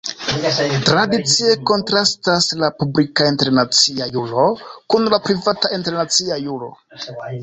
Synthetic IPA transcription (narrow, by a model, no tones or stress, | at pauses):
tɾadit͡sie̞ko̞ntɾastaslapublikainte̞ɾnat͡siajulokunlapɾivatainteɾnat͡siajulo̞̰